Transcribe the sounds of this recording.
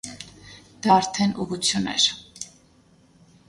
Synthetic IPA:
d̪̥ɑːɾt̪ʰɛnʔuʁut͡sʰjunɛ̰ɾ

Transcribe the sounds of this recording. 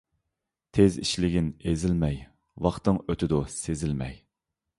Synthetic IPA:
t̪ʰeziʃlɪɡʲɪnezɪlmɛj | wɑχt̪ɨŋøt̪ʰɪd̪usezɪlmɛ̰j

